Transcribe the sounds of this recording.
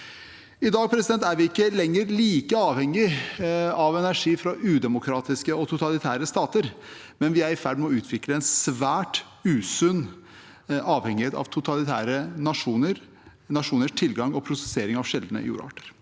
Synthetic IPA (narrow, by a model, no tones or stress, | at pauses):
ɪd̪ɑːɡ̚pʰɾɛsɪd̪ɛnt̪æɾʋɪɪkːəlɛŋːəɾliːkəɑːʋhɛŋɪ | ɑʋɛnæʂiːfɾɑʔʉːd̪ɛmʊkʰɾɑːt̪ɪskəɔt̪ʰʊt̪ɑlɪt̪ʰæːɾəst̪ɑːt̪əɾ | mɛnʋɪæɾɪfæɖmɛɔʉːt̪ʰʋɪkləɛnsʋæːʈ | ʉːsʉnː | ɑːʋhɛŋɪheːt̪ɑ̰ʋt̪ʰʊt̪ɑlɪt̪ʰæ̰ːɾənɑʂuːnəɾ | nɑʂuːnəʂt̪ʰɪlɡɑŋɔpʰɾʊsɛ̥seːɾɪŋɑʋʂɛld̪nə̰ɪ̰jṵːɾɑ̰ʈəɾ